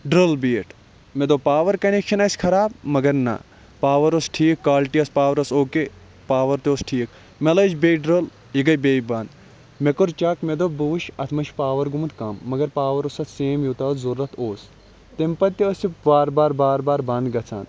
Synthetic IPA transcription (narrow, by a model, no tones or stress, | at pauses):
ɖɾɐlbiːʈʰ | med̪opaːʋɐɾkɐnekʃɐnɐsʲkʰɐɾaːb̚mɐɡɐɾnɐ̰ | paːʋɐɾosʈʰiːkːaːlʈiɐspaːʋɐɾɐsoːke | paːʋɐɾt̪ʲoːsʈʰiːk | melɐt͡ʃbeɖɾɐl | iɡɐjbeːjbɐnd̪ | mekuɾt͡ʃɐːkmed̪obuʋʃɐt̪ʰmɐʃpaːʋɐɾɡumt̪kɐmːɐɡɐɾpaːʋɐɾosɐt̪seːmjut̪aːzɐɾːɐt̪ʰoːs | t̪empɐt̪t̪ːiosibaːɾbaːɾbaːɾbaːɾbɐnd̪ɡɐt͡sʰa̰ːn